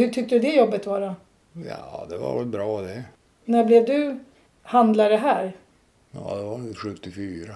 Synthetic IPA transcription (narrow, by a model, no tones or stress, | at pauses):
hɵʈʰʏk̚t̪əd̪ɵd̪ɛjɔbːət̪vɑːɾa | jɑːd̪ɛva̰ɾvɛlbɾɑːd̪ɛ | næblɛvd̪ɵ | hand̪laɾəɦæːɾ | jɑ̰ːd̪ɛvaɧɵt̪ːɪfyːɾa